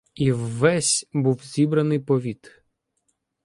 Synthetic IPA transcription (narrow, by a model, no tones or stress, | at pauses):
iwːɛsʲbuwzʲibɾɐnɪjpɔʋʲit̪